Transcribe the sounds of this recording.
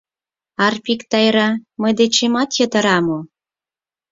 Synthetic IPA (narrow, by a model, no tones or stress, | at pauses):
ɑrpikt̪ɑjɾɑməjd̪et͡ɕemɑt̪jət̪ə̆ɾɑmo